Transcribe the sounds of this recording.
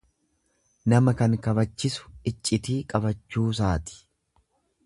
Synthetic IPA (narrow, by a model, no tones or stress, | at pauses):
nɐmɐkɐŋkɐbɐt͡ʃːɪsʊ̥ɪt͡ʃʼːɪt̪iːkʼɐbɐt͡ʃːuːs̬aːt̪ɪ̥